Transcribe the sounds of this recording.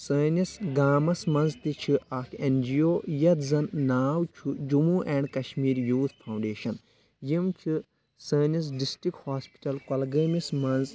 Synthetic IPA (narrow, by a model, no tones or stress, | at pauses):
səːnisɡaːmɐsmɐnzt̪it͡ʃʰiʔakʰend͡ʒioːjɐt̪zɐnnaːwt͡ʃʰud͡ʒumuʔɛːɳɖkɐʃmiːɾjuːt̪ʰpʰɐwɳɖeːʃɐn | jimt͡ʃʰu | səːnis̬ɖisʈɾikhaːspi̥ʈɐlkɐlɡəːmismɐnz